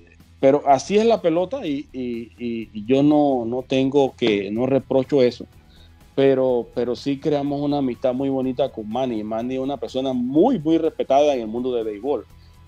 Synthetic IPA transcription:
pe̞ɾo̞ʔasie̞zlape̞lo̞t̪aiiː | ʝo̞nono̞t̪e̞ŋɡo̞keno̞re̞pɾo̞t͡ʃo̞e̞so̞ | peɾope̞ɾo̞sikɾe̞amo̞sunaːmist̪amujβo̞nit̪akoŋmãnimãniunape̞ɾso̞namujmujre̞spe̞t̪aðaeŋe̞lmũnd̪o̞ðeβejβo̞l

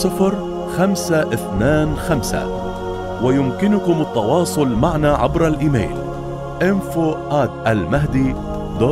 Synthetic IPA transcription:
sˤɨfɾˤ | xamsaʔɪθnaːnxamsa̰ | wɪjʊmkɪnʊkʊmɑt̪ˤːɑwɑːsˤʊlmaʕnaʕabɾˤalʔiːmḛːl | ʔɪmfoːʔaːt̪ʔalmaɦd̪iː | d̪oː

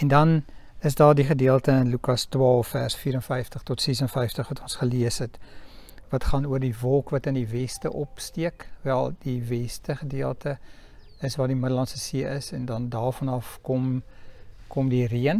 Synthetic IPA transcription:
ɛndɐn | əsdɑːrdiχədiəlˠtəənlykɑstwɑːlˠfːæːrsfiːɾənfɛjftəχtɔtsɛsənfɛjftəχvɐtɔnsχəliəsɛt | vɐtχɑːnuərdivɔlˠkvɐtəndivɛstəʔɔpstiəkvɛlˠdivɛstəχədiəlˠtə | əsvɑːrdimədəlɐntsəsiəʔəsɛndɐndɑːrfɐnɐfkɔm | kɔmdiriən

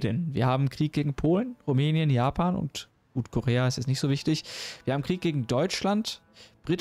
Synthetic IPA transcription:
dənviːɐhaːbm̩kʁ̥iːk̚ɡ̥eːɡŋ̩pʰoːlənʁumɛːnjənjaːpʰaːnʊ̰nt | ʔuːtkʰoʁeːaɪstɛsnɪçtz̥oːvɪçtɪçv̥i̥ːɐhaːbm̩kʁ̥iːk̚ɡ̥eːɡŋ̩dɔʏt͡ʃlant | b̥ʁit

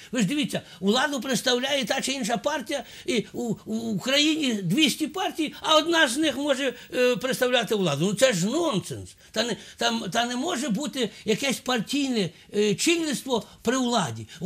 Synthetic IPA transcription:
ʋɪʒd̪ɪʋʲit̪t͡sʲːɐ | wlˠɑd̪ʊp̬ɾɪt̪st̪ɐwlʲajɛt̪ɑt͡ʃɪinʃ̬ɐpɑrtʲijɐ | i | kɾɐjinʲid̪ʲʋʲisʲtʲipɑrtʲijɐɔd̪nɑznɪxmɔʒɛpɾɪt̪st̪ɐwlʲat̪ɪwlˠɑd̪ʊnʊt̪sɛʒnɔnt̪sɛnst̪ɑnɛt̪ɑmt̪ɑnɛmɔʒɛbut̪ɪjɐkɛsʲpɐrtʲijnɛ | t͡ʃilʲnʲɪst̪ʋɔpɾɪwlˠɑdʲi

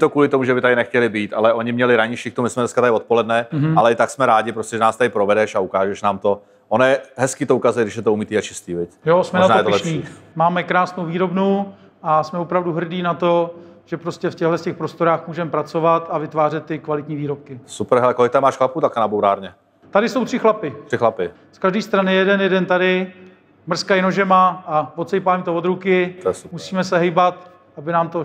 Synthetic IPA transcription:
t̪okuːlɪt̪omuʒɛbɪt̪adɪnɛxcɛlɪbiːt̪alɛʔo̞ɲɪmɲɛlɪɾaɲɪʃiːkt̪omɪsmɛnɛskat̪aɪvot̪̚po̞lɛdnɛɦalɛɪt̪aksmɛɾaːɟɪpɾoscʲɛʒɛnaːst̪adɪpɾovɛdɛʃaukaːʒɛʃnaːmt̪o̞ | ʔonjɛɦɛskiːt̪oukazujɛɡdɪʃjɛt̪oumit̪iːat͡ʃɪst̪iːvɪcjosmɛnoʒnaːjɛt̪olɛʃpɲiːmaːmɛkɾaːsnowviːɾo̞bnu | ʔasmɛvopɾavduɦr̩diːnat̪oʒ̥ɛpɾoscɛfcɛɣɦlɛscɛxpɾost̪o̞ɾaːxmuːʒɛmɛpɾat͡so̞vat̪avɪt̪vaːrɛt̪̚ːɪkvalɪt̪ɲiːviːɾo̞p̚kɪsupɛɾɦɛlɛkolɪk̚t̪amaːʃxlaput̪akanabowɾa̰ːɾɲɛ | t̪adɪso̞wt̪r̥ɪxlapɪt̪ɪxlapɪ | skaʒdiːst̪ɾanɪjɛdɛnjɛdɛnt̪adɪ | mr̩skaɪnoʒɛmaʔavot̪t͡sɛjpaːmit̪ovod̪ɾukɪt̪ojɛsumusiːmɛsɛɦejbat̪ | ʔabɪnaːmt̪o̞

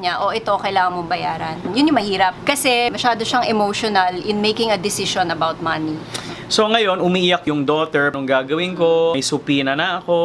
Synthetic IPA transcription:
ɲaʔoʔɛt̪okɐjlaːŋɐŋmoŋbɐjaːɾɐnjʊnjʊŋmɐhiːɾɐp̚kɐsɛmɐʃaːd̪o̞ʃɐŋɛmoʃonɐlʔɪnmejkɪŋɐd̪ɪsɪʃonɐbawt̪̚mɐni | so̞ŋɐjo̞nʊmiːʔɪjakjʊŋd̪oːt̪ɛɹnʊŋɡaːɡɐwɪnko̞jsʊpiːnɐnɐʔɐko̞

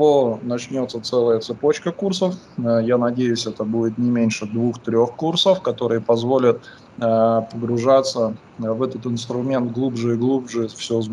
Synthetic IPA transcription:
vonɐt͡ɕnʲo̞t̪sːət̪sɛlˠəjət̪sɨpo̞t͡ɕkəkursəf | janɐdʲejʉsʲɛt̪əbudʲɪt̪nʲɪmʲenʲʂɨd̪vuxt̪ɾʲo̞xkursəfkɐt̪o̞ɾɨjəpɐzvo̞lʲət̪̚ | pəɡɾʊʐat̪sːə | vɛt̪ət̪ɪnst̪ɾʊmʲe̞nt̪̚ɡlˠubʐɨiɡlˠubʐɨfsʲoz

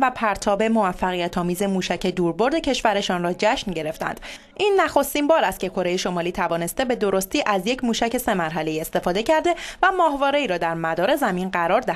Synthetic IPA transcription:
væpʰæɾt̪ʰɒːbe̞mo̞væfːæɣijæt̪ʰɒːmiːze̞muːʃæcʰe̞d̪uːɾbo̞ɾd̪e̞cʰe̞ʃvæɾe̞ʃɒːnrɒːd͡ʒæʃnɟe̞ɾe̞ft̪æ̰nd̪̥ | ʔiːnːæxo̞st̪iːmbɒːɾæst̪̚cʰʲe̞kʰo̞ɾe̞jeʃo̞mɒːliːt̪ʰævɒːne̞st̪e̞be̞d̪o̞ɾo̞st̪iːʔæzje̞cʰmuːʃæce̞se̞mæɾɦæle̞iːe̞st̪e̞fɒːd̪e̞cʰæɾd̪e̞væmɒːhvɒːɾe̞iːɾɒːd̪æɾmæd̪ɒːɾe̞zæminɢæɾɒːɾd̪æ

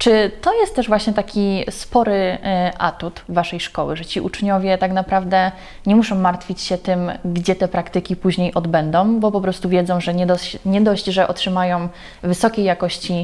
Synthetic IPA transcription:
t͡ʂɘt̪ɔjɛst̪t̪ːɛʐvwaɕɲɛt̪akʲispɔɾɘʔa̰t̪ut̪vaʂɛjʂkɔwɘ̰ʐɛt͡ɕiʔut͡ʂɲɔvʲjɛt̪aknapɾavd̪ɛ | ɲɛmuʂɔ̃w̃maɾt̪fʲit͡ɕɕɛt̪ɘmɡd͡ʑɛt̪ɛpɾakt̪ɘkʲipuʑɲejʔɔd̪bɛnd̪ɔ̃w̃bɔpɔpɾɔst̪uvʲjɛd̪zɔ̃w̃ʐɛɲɛd̪ɔɲɛd̪ɔʑd͡ʑʐɛʔɔtʂɘmajɔ̃w̃ | vɘsɔkʲejːakɔɕt͡ɕi

